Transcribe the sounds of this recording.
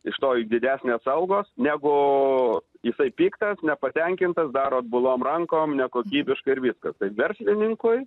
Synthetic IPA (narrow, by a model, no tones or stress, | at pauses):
ɪʃt̪oːjd̪ʲɪd̪ʲæːsʲnʲeːsɐʊɡoːsnʲæːɡʊ | jɪsɐɪpʲiːkt̪ɐsnʲɛpɐt̪ʲɛŋʲkʲɪnt̪ɐsd̪ɑːɾoːt̪̚bʊlˠoːmrɐŋkoːmnʲɛkoːkʲiːbʲɪʃkɐɪɪɾʋʲiskɐst̪ɐɪpʋʲɛɾʲsʲlʲɪnʲɪŋkʊɪ